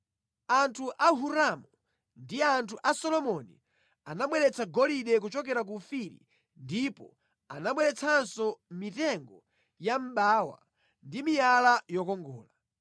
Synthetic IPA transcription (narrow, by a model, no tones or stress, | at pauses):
antʰuʔaɦuɾamu | ndiantʰuʔasɔlɔmɔnḭ | anaɓwɛɾɛt͡sʰaɡɔliɗɛk̬ut͡ʃɔkɛɾak̬ufiɾḭ | ndipɔ | anaɓwɛɾɛt͡sʰansɔmitɛŋɡɔ | jam̩ɓaːwa̰ | ndimijalajɔkɔŋɡɔ̰ːla